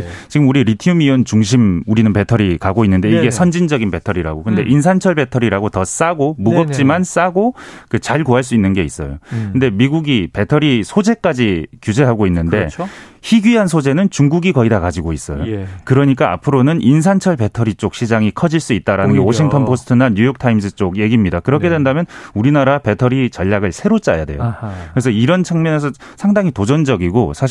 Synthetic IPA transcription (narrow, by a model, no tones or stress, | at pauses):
t͡ɕiɡɯmuɾiɾitʰiumiʌnt͡ɕuŋɕ̬ʰimuɾinɯnpetʰʌɾikaɡoinːɯnde̞iɡe̞sʰʌnd͡ʑind͡ʑʌɡinpe̞tʰʌɾiɾa̰ɡokɯnde̞ʔins̬ʰant͡ɕʰʌɭbe̞tʰʌɾiɾaɡotʌs͈aɡomuɡʌp̚t͡ɕ͈imans͈aɡokɯt͡ɕaɭkoɦaɭs̬͈uinːɯnɡe̞is͈ʌ̰jo̰kɯnde̞miɡuɡipe̞tʰʌɾisʰod͡ʑe̞k͈ad͡ʑikjud͡ʑe̞ɦaɡoinːɯnde̞ | çiɡɥiɦansʰod͡ʑe̞nɯnt͡ɕuŋɡuɡikʌidakad͡ʑiɡois͈ʌ̰jo̰kɯɾʌɲik͈aa̰pʰɯɾonɯnʔins̬ʰant͡ɕʰʌɭpe̞tʰʌɾit͡ɕ͈ok̚ɕ͈ʰid͡ʑaŋikʰʌd͡ʑiɭs͈uit̚t͈aɾanɯnɡewʌɕʰiŋktʰʌnpʰosʰɯ̥tʰɯnaɲujʌk̚tʰaimsʰɯt͡ɕ͈oɡje̞ɡimɲidakɯɾʌkʰe̞dwe̞ndamjʌnuɾinaɾape̞tʰʌɾit͡ɕʌʎːaɡɯɭsʰe̞ɾot͡ɕ͈aja̰de̞jokɯɾesʰʌiɾʌnt͡ɕʰaŋmjʌne̞s̬ʰʌ | sʰaŋdaŋitod͡ʑʌnd͡ʑʌɡiɡosʰaɕ